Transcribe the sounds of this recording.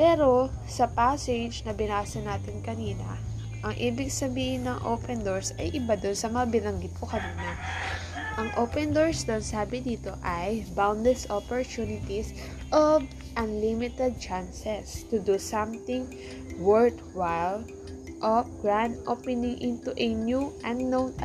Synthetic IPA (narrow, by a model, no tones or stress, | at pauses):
pɛːɾosɐpasɛd͡ʒnɐbɪnaːsɐnaːt̪ɪnkɐniːnɐ̰ | ʔɐŋʔiːbɪɡsɐbiːhɪnːɐŋʔo̰ːpɛnd̪oɹsɐ̰jʔɪbad̪onsɐmɐŋɐbɪnɐŋɡɪt̪̚kokɐniːnɐ | ʔɐŋʔopɛnd̪oɹsd̪onsaːbɪd̪iːt̪o̞ʔɐjbãwnd̪ɛsʔopoɹt̪unɪt̪is | ʔɐv | ʔɐ̃nlimɪt̪ɛd̪̚t͡ʃansɛst̪ʊd̪usɐmt̪ɪ̃ŋ | wɛɹt̪wajl | ʔɔp̚ɡ̥ɹand̪ʔopɛnɪŋʔɪ̃nt̪uʔɛnjuʔɐ̃nːõwn